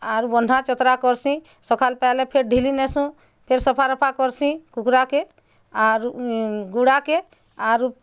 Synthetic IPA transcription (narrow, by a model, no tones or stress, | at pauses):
aɾubɔndʱat͡ʃɔt̪ɾakɔɾsĩ | sɔkʰalpalepʰeɾɖʱilinɛsũ | pʰeɾsɔpʰaɾɔpʰakɔɾsĩkukɾake | aɾuɡuɽake | aɾu